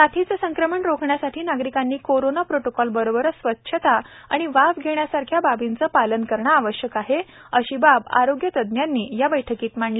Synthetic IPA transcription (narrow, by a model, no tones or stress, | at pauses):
t̪at̪ʰit͡səsəŋkɾəməɳɾokʰɳjasaʈʰiːnaɡɾikanːiːkoɾonapɾoʈokɔlbəɾobəɾsʋət̪ːɕʰət̪a | a̰ɽ̃iʋaʋɡʱeɳjasaɾkʰjababint͡səːpalənkəɾɳaːʋəɕjəkaɦeəɕiːbaba̰ɾoɡjət̪əd̪njanːiːjabəjʈʰəkiːt̪m̤aɳli